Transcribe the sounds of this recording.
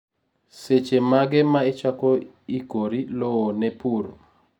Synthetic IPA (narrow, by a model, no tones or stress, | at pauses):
set͡ʃemaɡɪmaɪt͡ʃakɔ | ikoɾilɔwonɛpuɾo̰